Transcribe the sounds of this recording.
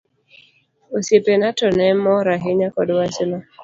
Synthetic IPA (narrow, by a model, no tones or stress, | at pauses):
osjepenatɔnɛmɔɾaɦeɲakɔdwasɪma